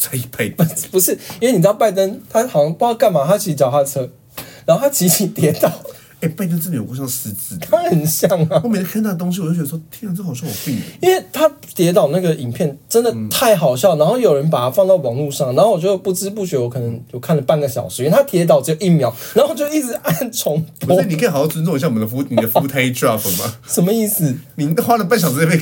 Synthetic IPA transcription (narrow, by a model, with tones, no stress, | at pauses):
t͡sa˥˩ɪi˧˨˥pa˥ɪppu˧˦ʂɻ̩˥˩i˥nwe˥˩ni˨˩t̪ɑ˥˧pa˥˩ɪt̪ə˦nt̪ʰa˥ɑ˨˩˥ŋpɑ˥˧ka˥˩nma˨˩t̪ʰa˥t͡ɕʰi˧˥t͡ɕjɑ˨˩ʊxa˥˩t͡sʰɤ˥ | na˧˦ŋxo˥˩t̪ʰa˥t͡ɕʰi˧˥t͡ɕʰi˨˥t̪jɛ˨˧˥t̪ɑ˨˩˦ʊ | e˥˩ɪpa˥˩ɪt̪ə˥nt͡sə˥˩i˨˩˨kjs̩˧˥t͡sɹ̩˧˥˩t̪ʰa˥xə˨˩nɕjɑ˥˩ŋ˩˥˨k̪ʰːə˩t̪ʊ˥ŋɕi˧˥˨t͡ɕo˥˩t͡ɕɛ˧ə˧˩ʂ̬ɔ˥t̪ʰi˥˧nt͡s̩˥˩xɕjɑ˥˩wɔ˨˩pi˥˧i˥nwe˥˩ɪt̪ʰa˦˥ | t̪jɛ˧˥t̪̬ɑ˨˩ʊna˥˩ɡə˩ʔi˨˩ŋpʰjɛ˥˩nʈ͡ʂə˥nd̪ə˨t̪ʰa˥˩ɪxɑ˨˩ʊɕ̬jɑ˥˩ʊna˧˥nxo˥˩ʊjo˨˩ʊɻə˧˦npa˨˩t̪ʰa˥fɑ˥˧ŋt̪ɑ˥˩ɪwɑ˨˩ŋlu˥˧ʂɑ˥˩ŋna˧˦nxo˥˩wɔ˨˩t͡ɕo˥˩˧pu˥˩ʈ͡ʂɻ̩˥p̬u˥˩t͡ɕɥɛ˧˦ə˧wɔ˦˥kʰɤ˨˩nə˧˦ŋt͡ɕjo˥˧ʊkʰa˥˩nlə˩pa˥˩nɡə˩ɕjɑ˨˩ʊʂ̩˧˥˩t̪ʰa˥t̪ʰjɛ˧˥t̪ɑ˨˩ʊʈ͡ʂə˥˩ɡə˩ʔi˥˩mjɑ˧˦ʊna˧˦˥xo˥˩˨t͡ɕjo˥˧ʊi˥˩t͡sɻ̩˧˩˦a˥˩nt͡sʰo˧˥ŋp̪ʰi˨kə˥i˨˩ɑ˨˩jɑ˥˩t͡snt͡so˥˧˨ɕjwɔ˨˩d̪fu˥ni˨˩d̪ə˦fu˦˥t̪ʰe˥ɪdɹa˥˩fə˩ma̰˨˦ʂə˨nmə˧i˥˩s̩˨˩ni˨˩xwa˥lə˨pa˥˩nɕɑ˨ʊʂ̬̩˧˥p